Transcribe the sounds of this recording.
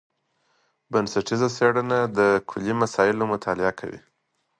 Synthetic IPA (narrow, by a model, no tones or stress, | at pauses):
bansaʈizaseɽənad̪əkʰʊlimasɑɪlomʊt̪ʰɑlɪakʰa̰wḭ